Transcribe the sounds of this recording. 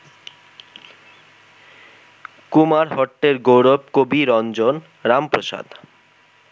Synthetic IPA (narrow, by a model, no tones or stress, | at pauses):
kumaɾɦɔʈːeɾɡowɾobkobiɾɔnd͡ʑon | ɾampɾoʃa̰d̪